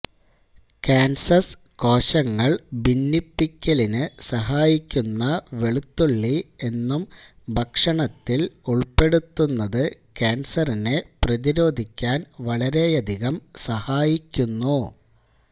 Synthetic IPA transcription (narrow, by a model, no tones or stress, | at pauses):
kaːnsɐs | ko̞ːɕɐŋːɐɭbinːipːikʲːɐlinɨsɐɦaːjikʲːunːɐʋe̞ɭut̪ːuɭːie̞nːum | bʱɐkʂɐɳɐt̪ːiluɭpe̞ɽut̪ːunːɐðɨkaːnsɐrineprɐðiɾo̞ːd̪ʱikʲːaːnʋɐɭɐɾe̞jɐd̪ʱiɣɐmsɐhaːjikʲːunːu